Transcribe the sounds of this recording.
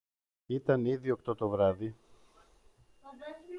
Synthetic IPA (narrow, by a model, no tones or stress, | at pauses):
it̪ɐniðio̞kt̪o̞t̪o̞vɾɐði